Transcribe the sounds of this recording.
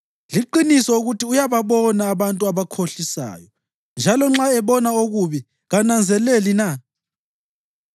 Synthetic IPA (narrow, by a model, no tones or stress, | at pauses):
liǃinisɔoɣutʰiujaβaβɔnaːβantʼuaβakʰoɬisa̰ːjɔ | nd͡ʒʱalɔŋ͡ǁaɛβɔnaoɣuβi | ɣanand͡zʱɛlelina